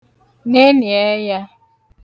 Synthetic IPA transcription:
ne˦ni˨e˦ja˦

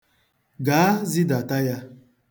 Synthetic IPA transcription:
ɡaː˨˦zi˦da˨ta˦ja˦

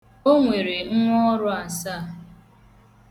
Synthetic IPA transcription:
o˦ŋʷe˨ɾe˨ŋ̩˦ŋʷɔ˦ɔ˦ɾʊ˦a˨sa˦˨

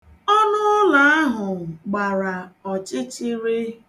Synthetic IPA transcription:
ɔ˦nʊ˦la˨a˦ɦʊ˨ɡ͡ba˨ɾa˨ɔ˨t͡ʃɪ˦t͡ʃɪ˦ɾɪ˦

